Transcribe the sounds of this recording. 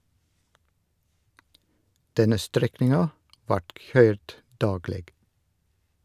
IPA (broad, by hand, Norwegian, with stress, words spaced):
ˈdɛnə ˈstɾɛknɪŋɑ ˈʋɑːʈ ˈçœʏɾd ˈdɑːɡleːɡ